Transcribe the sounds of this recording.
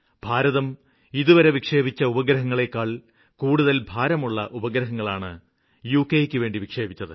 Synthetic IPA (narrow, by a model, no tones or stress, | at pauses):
b̥ʱaːɾɐðɐm | iðuʋɐɾeʋikʂe̞ːbit͡ɕːɐubɐɡɾɐɦɐŋːɐɭe̞kːaːɭ | kuːɽuðɐlbʱaːɾɐmuɭːɐʔubɐɡɾɐɦɐŋːɐɭaːɳɨ | juːkːejekʲːɨʋe̞ːɳɖiʋikʂe̞ːbit͡ɕːɐðɨ̰